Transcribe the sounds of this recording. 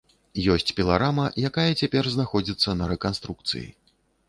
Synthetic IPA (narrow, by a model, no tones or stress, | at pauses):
jɔsʲt͡sʲpʲilˠaɾamɐjakajɐt͡sʲapʲɛrznaxɔd͡zʲit̪sːɐnɐɾɛkanst̪ɾuk̚t̪sɨ̰jḭ